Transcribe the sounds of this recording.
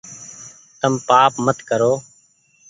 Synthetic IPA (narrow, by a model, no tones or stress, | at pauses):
t̪əmpaːpmət̪kəɾoː